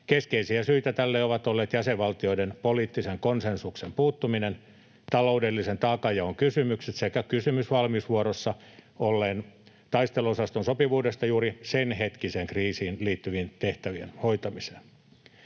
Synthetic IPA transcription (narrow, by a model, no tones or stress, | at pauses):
keskeisiæsyit̪æt̪ælːeoʋɑt̪olːeːt̪jæseʋʋɑlt̪ioidenpoliːt̪ːiseŋkonsensuksempuːt̪ːuminen | t̪ɑlo̞udelːisent̪ɑːkɑjɑoŋkysymykset̪sekækysymysʋɑlmisʋuoɾosːɑ | olːeːn | t̪ɑist̪elosɑst̪onsopiʋuːdest̪ɑjuːɾisenɦet̪kiseːŋkriːsiːnliːt̪ːyʋiːnt̪eht̪æʋiḛnhojt̪ɑmise̥ːn